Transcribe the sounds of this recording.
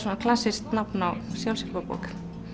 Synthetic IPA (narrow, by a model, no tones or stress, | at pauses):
sɔnakʰl̥asːɪst̪napnawsjawlsɪlpapɔ̰k